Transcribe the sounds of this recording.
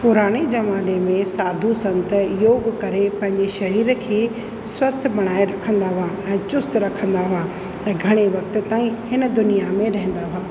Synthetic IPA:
pʊɾaːɽ̃ed͡ʑɐmaːnemẽsaːd̪ʱusɐ̃nt̪ə̆joːɡkɐɾepɐ̃ɦɪ̃ɲd͡ʑeʃɐɾiːɾkʰeː | swɐst̪ʰbɐɽ̃aːeɾɐkʰə̃nd̪aɦʊaɛ̃ːt͡ɕʊst̪ɾɐkʰə̃nd̪aɦʊa | ɛ̃ːɡʱɐɽ̃eʋɐk̚t̪t̪aːĩhɪnə̆d̪ʊnijamẽɾɐɦɪ̃nd̪aɦʊaː

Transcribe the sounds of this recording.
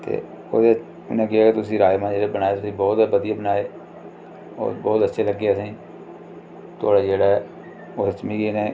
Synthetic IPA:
t̪ḛː | o̰ːd̪e | ʊnẽːkɪɦaːkeːt̪ʊsĩːɾaːjmãːd͡ʒeːɽaːbənaːeːt̪ʊsĩːbɔːt̪bəd̪ijaːbənaːeː | o̰ːbɔːt̪ətːʃʰeːləɡeːəsĩː | t̪oːɽaːd͡ʒeːɽaː | ot͡ʃmiːkiːnẽː

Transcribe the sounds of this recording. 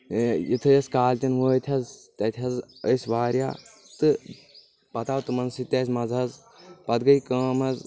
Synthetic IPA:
jit̪ʰɨjɐskaːlʲt̪ʲɐnʋoːt̪ʲʰɐzt̪ɐt̪ʲʰɐzəsʋaːɾja̰ː | t̪ɨ | pɐt̪aːwt̪ɨmɐnsit̪ɐsʲmɐzɐz | pɐd̪ɡɐjkəːmɐz

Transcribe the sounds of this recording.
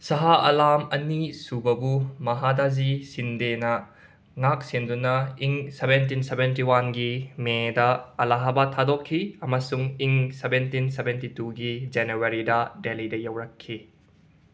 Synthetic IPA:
sɐɦaʔɐlamɐnisubɐbumɐɦadazisindenɐ | ŋak̚sendunɐiŋsebent̬insebentiwanɡimedɐɐlaɦabatʰadokʰːiɐmɐsuŋiŋsebentinsebentituɡid͡ʒenuwɐɾidɐdelidɐjɐwɾɐkʰːi

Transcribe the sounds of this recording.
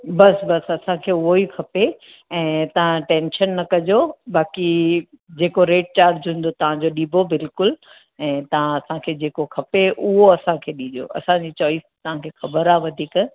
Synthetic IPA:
bɐsbɐsɐsãkʰeːʊɦoɦikʰɐpe | ɛ̃ːt̪ɐʋ̤ãʈẽːnʃənːɐkɐd͡ʑobaːki | d͡ʑeːkoɾeːʈ̚t͡ɕaːɾd͡ʑʱũːn̆d̪ot̪ɐʋ̤ãd͡ʑoɗiːbʱobɪlkʊl | ɛ̃ːt̪ɐʋ̤ãɐsãkʰeːd͡ʑeːkokʰɐpeʔʊɦoɐsãkʰeːɗiːd͡ʑo̰ʔɐ̰sãd͡ʑit͡ɕɔːɪst̪ɐʋ̤ãkʰeːxɐbəɾaːʋɐd̪ʱikɐ

